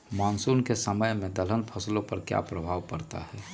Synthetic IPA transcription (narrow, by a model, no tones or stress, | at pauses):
maːnsuːnkesəməjmẽd̪ələnpʰəslõpɐɾkja̰pɾəbʱaːʋpəɾt̪a̰ɦɛː